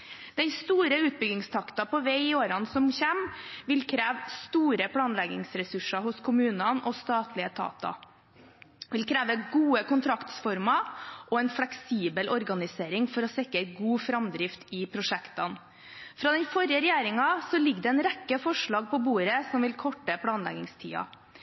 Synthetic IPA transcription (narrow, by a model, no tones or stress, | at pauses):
d̪̥ɛnst̪uːɾəʉːt̪̚bʏɡɪŋst̪ʰɑkt̪ɑpʰɔʋeɪɪoːɾɑnsɔmçɛmʋɪlkʰɾæːʋst̪uːɾəpʰɽɑːnlɛɡɪ̰ŋsɾɛsʉʂɑhʊskʰʊmʉːnɑnɔst̪ɑːt̪ʰlɪət̪ʰɑ̰ːt̪ɑ̰ | ʋɪlkʰɾæːʋəɡuːəkʊnt̪ʰɾɑkt̪sfɔɾmɑʔɔɛnfɽɛksiːbəlʔɔɾɡɑnɪseːɾɪŋfɔɾɔsɛkːəɡuːfɾɑmd̪ɾɪft̪ɪpʰɾʊʂɛkt̪ɑn | fɾɑːd̪ɛnfɔɾjəɾɛjeːɾɪŋɑsɔlɪɡːd̪ɛɛːnɾɛkːəfɔʂɭɑːɡ̚pʰɔbuːɾəsɔmʋɪlkʰɔʈːəpʰɽɑːnlɛ̰ɡɪŋst̪ʰḭːɑ̰